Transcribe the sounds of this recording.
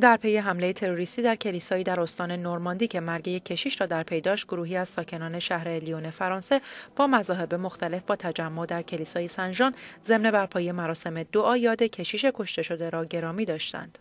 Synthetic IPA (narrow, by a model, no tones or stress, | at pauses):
d̪æɾpʰe̞je̞ɦæmlejet̪ʰe̞ɾo̞ɾist̪iːd̪æɾcʰe̞liːsɒːiːd̪æɾo̞st̪ɒːne̞noɾmɒːnd̪iːcʰe̞mæɾɟejecʰe̞ʃiːʃɾɒːd̪æɾpʰe̞jd̪ɒːʃt̪̚ɡoɾuːɦiːæz̥sɒːcʰe̞nɒːne̞ʃæhɾe̞lione̞fæɾɒːnse̞b̥ɒːmæzɒːɦe̞be̞mo̞xt̪æle̞fbɒːt̪ʰæd͡ʒæmːod̪æɾcʰe̞liːsɒːjesænd͡ʒɒːnze̞mne̞bæɾpʰɒːjemæɾɒːse̞me̞d̪oʔɒːjɒːd̪e̞cʰe̞ʃiːʃe̞kʰo̞ʃt̪e̞ʃo̞d̪e̞ɾɒːɟe̞ɾɒːmiːd̪ɒːʃt̪æ̰nd̪̥